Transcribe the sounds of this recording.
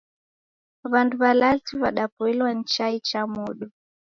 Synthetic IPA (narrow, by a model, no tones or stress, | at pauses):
βanduβalatiβaɗapuilwan̩t͡ʃait͡ʃamuɗu